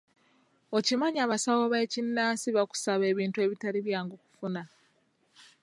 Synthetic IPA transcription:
o̞cimaɲaːβasawoβe̞ːcinːaːsiβaku̥saβe̞ːβiːntue̞ːβitaɾiβjaːŋɡoku̥funa

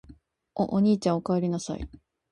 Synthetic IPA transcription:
o̰ʔoɲ̟iːt͡ɕãɰ̃okaβaɾʲinasa̰ḭ

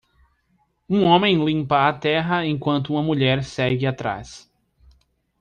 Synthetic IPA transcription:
ũõmẽj̃lĩmpɐat̪ɛɦɐẽj̃kwɐ̃nt̪ʊũmɐmuʎɛɾsɛɡɪat̪ɾa̰s

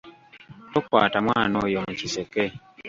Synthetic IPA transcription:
tokwa̰ːtamwaːnojomuciseke

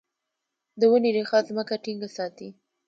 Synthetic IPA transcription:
d̪əwəniɾexɑzməkaʈiŋɡasɑt̪i

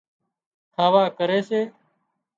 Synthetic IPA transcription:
hʰaːʋaːkəɾeːseː

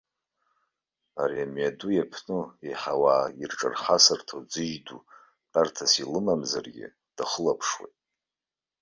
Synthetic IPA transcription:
aɾiamɥadujapʰnɨeħawaːirʈ͡ʂʼa̰rχasɨrtʰod͡zɨʒdu | tʼartʰasilɨmamzarɡʲɪ̰ | d̥aχəlapʰʂwḛtʼ

